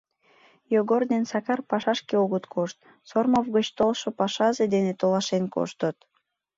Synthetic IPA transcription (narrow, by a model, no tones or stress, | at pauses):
joɣord̪ensɑkɑrpɑʃɑʃkeoɣət̪kʰoʃt̪̚ | sormovɣət͡ɕt̪olʃopɑʃɑzed̪enet̪olɑʃenko̰ʃt̪ət̪